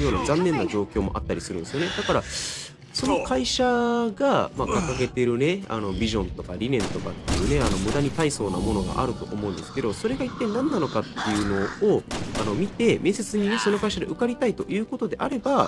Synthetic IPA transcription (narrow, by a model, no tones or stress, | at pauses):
joːnazãnːẽ̞nːaʑo̞ːkʲo̞ːmo̞ʔa̰t̪ːaɾʲisɨɾɯ̟nd̪esɨjone̞d̪̥akaɾa | so̞no̞kʰaiɕaɡamakakaɡe̞t̪e̞ɾɯ̟ne̞a̰no̞bʲiʑõ̞nt̪o̞kaɾʲinẽ̞nt̪o̞kat̪ːe̞jɯ̟ːne̞ano̞mɯ̟d̪aɲ̟it̪aiso̞ːna̰mo̞no̞ɡa̰ʔa̰ɾɯ̟t̪o̞̰ʔo̰mo̞ɯ̟̃nd̪e̞sɨ̥ke̞d̪o̞so̞ɾe̞ɡait̪ːe̞nãnːano̞kat̪ːe̞jɯ̟no̞oano̞mʲit̪e̞me̞ːse̞t͡sɨɲ̟ineso̞no̞kaiɕad̪e̞ʔɯ̟kaɾʲit̪ait̪o̞̰jɯ̟ːko̞t̪o̞d̪e̞ʔaɾe̞ba